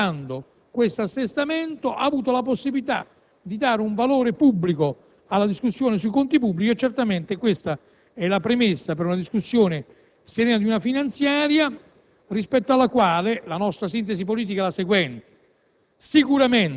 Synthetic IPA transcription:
and̪o | kwest̪asːest̪ament̪oʔa̰ːvuːt̪olaposːibilit̪a̰ | d̪id̪aːɾeuɱvaloːɾepubːliko | alːad̪iskusːjoːnesuikont̪ipubːlit͡ʃiet͡ʃːɛrt̪ament̪ekwest̪a | ɛlapɾemesːapeɾunad̪iskusːjoːnɪ | seɾɛːnad̪iunafinant̪sjaːɾja | rispɛt̪ːoalːakwaːlelanɔst̪ɾasint̪esipoliːt̪̬ikalaseɡwɛnt̪e̥ | sikuɾamen

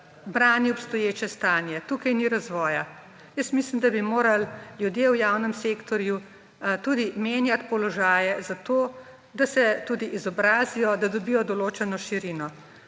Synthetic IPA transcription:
bɾaːniɔpst̪ɔjeːt͡ʃɛst̪aːnjɛt̪uːkajniɾazʋɔːja | jəsmislimd̪abimoːɾalljud̪jewjaːwnəmsekt̪ɔɾju | t̪uːd̪imeːnjat̪pɔlɔʒaːjɛzat̪oː | d̪asɛt̪uːd̪iʔizɔbɾaːzijɔd̪ad̪ɔbiːjɔd̪ɔloːt͡ʃɛnɔʃiɾinɔ

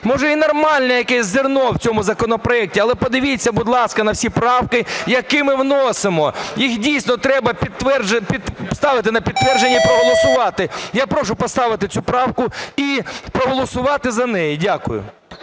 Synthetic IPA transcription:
mɔʒɛinɔrmɑlʲnɛjɐkɛsʲzɪrnɔwt͡sʲɔmʊzɐkɔnɔpɾɔɛk̚tʲiɐlˠɛpɔd̪ɪʋʲit͡sʲːɐbʊd̪lˠɑskɐnɐwsʲipɾɑwkɪjɐkɪmɪwnɔsɪmɔjixdʲijsʲnɔt̪ɾɛbɐpʲid̪t̪ʋɛrpʲist̪ɑʋɪt̪ɪnɐpʲid̪t̪ːʋɛrd͡ʒenʲːipɾɔɦɔlˠɔsʊʋɑt̪ɪjapɾɔʃʊpɔst̪ɑʋɪt̪ɪt͡sʲupɾɑwkʊipɾɔɦɔlˠɔsʊʋɑt̪ɪzɐnɛjidʲakʊjʊ̰

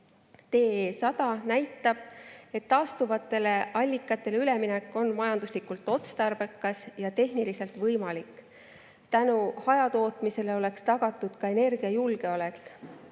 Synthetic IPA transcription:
t̪e̞ːesɑd̪ɑnæjt̪ːˑɑb̥e̞t̪ːɑːst̪uvɑt̪ːˑe̞le̞ʔɑlʲːikːˑɑt̪ːˑe̞leyle̞minɛkːˑo̞nmɑjɑnd̪̥uslikult̪ːˑo̞t̪st̪ɑrb̥e̞kːˑɑsjɑt̪e̞ɦnilise̞lt̪vɤjmɑlikːˑ | t̪ænuhɑjɑt̪oːt̪mise̞le̞o̞le̞kst̪ɑɡ̥ɑt̪ːˑud̪̥kɑe̞ne̞rɡ̥iɑjulɡe̞ole̞kːˑ

